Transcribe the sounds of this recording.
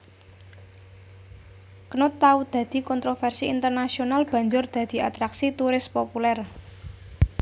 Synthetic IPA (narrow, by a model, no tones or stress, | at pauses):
kənʊt̪ːaud̪̥ä̤d̪̥i̤kɔnt̪ɾofɛrsiint̪ərnasionalb̥ä̤ɲd͡ʒʊrd̪̥a̤d̪̥i̤at̪ɾaksit̪uɾɪspopulɛr